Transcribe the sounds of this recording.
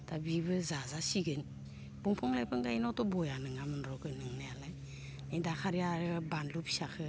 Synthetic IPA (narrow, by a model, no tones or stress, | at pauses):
tabibɯzazasiɡɯn | buŋpʰɔŋlajpʰɯŋɡajinɔtɔbɔjanɯŋamɯnɾɔɡɯnɯŋnajalaj | nadakʰaɾijaɾɯbanlupsakʰɯ